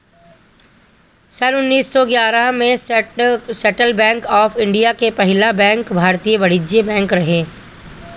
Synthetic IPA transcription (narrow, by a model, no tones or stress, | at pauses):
səɾʊnːiːssɔɡjaːɾəɦmẽ | seʈəlbɛ̃ːŋkɔːfʰɪ̃ɳɖijakepɐɦɪlabɛ̃ːŋkbʱaːɾt̪ijəʋɐɽ̤ɪd͡ʒijəbɛ̃ːŋkɾɐɦeː